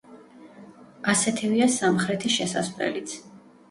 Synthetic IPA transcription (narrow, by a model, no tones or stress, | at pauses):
asɛt̪ʰiviasamχɾɛt̪ʰiʃɛsa̰svlɛ̰lit̪sʰ